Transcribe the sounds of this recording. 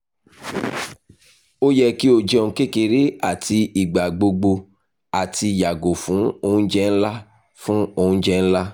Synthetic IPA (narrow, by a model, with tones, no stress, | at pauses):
o˦jɛ˦ki˦o˧˨d͡ʒɛ˦o˧ũ˧ke˦ke˧ɾe˦a˨ti˧i˨ɡ͡ba˨ɡ͡bo˧ɡ͡bo˧ | a˨ti˧ja˨ɡo˨fũ˨˦o˧hũ˦d͡ʒɛ˦n̩˦la˦ | fũ˦o˧hũ˦d͡ʒɛ˧n̩˦la˦